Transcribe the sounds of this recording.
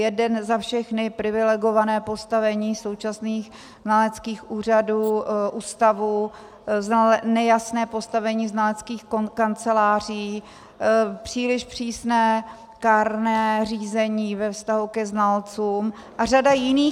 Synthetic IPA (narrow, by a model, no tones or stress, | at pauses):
jɛdɛnzafʃɛxnɪpɾɪvɪlɛɡo̞vanɛːpo̞st̪avɛɲiːso̞wt͡ʃasniːx | znalɛt͡skiːxʔuːr̝aduːʔuːst̪avu | zanɛjasnɛːpo̞st̪avɛɲiːznalɛt͡skiːxkkant͡sɛlaːr̝iː | pr̝̥iːlɪʃpr̝̥iːsnɛː | kaːɾnɛːriːzɛɲiːvɛfst̪aɦukɛznalt͡suːm | ʔar̝adajɪniː